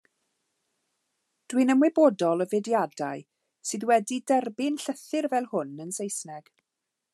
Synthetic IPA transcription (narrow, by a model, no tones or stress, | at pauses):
d̥winəmwɛbɔdɔlˠəvɛdjadaj | sɨðwɛdidɛrbɪnɬəθɪrvɛlˠhʊnənsejsnɛɡ̥